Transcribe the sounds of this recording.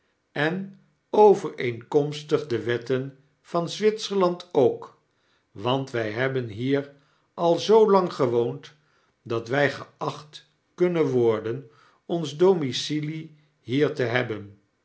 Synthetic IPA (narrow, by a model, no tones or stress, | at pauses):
ɛn | owvəɹeŋkɔmstəχdəʋɛtən | v̥ɑnzʋɪtsəɹlɑntʰowk | ʋɑntʋɛjɦɛbənɦiːɹ | ʔɑlˠzowlɑŋχəʋownt | dɑtʋɛjχəɑχt | kɵnənʋɔɹdən | ɔnzdomisili | ɦiːɹtəɦɛbən